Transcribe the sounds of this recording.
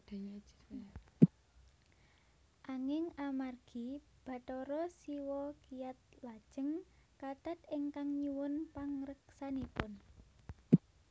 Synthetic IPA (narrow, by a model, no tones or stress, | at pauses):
d̥ | ʔaŋɪŋamarɡ̥ib̥a̤t̪ɔɾɔsiwɔkijat̪̚lad̥ʒ̥ə̤ŋkat̪at̪ɪŋkaŋɲuwʊnpaŋɾəksanipʊn